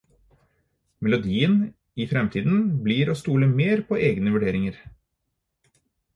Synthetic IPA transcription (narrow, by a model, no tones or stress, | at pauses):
mɛlʊd̪iːən | ifɾɛmt̪ʰiːd̪n̩bliːɾoːst̪uːləmeːɾpʰoːʔeːɡnəʋʉɖeːɾɪŋəɾ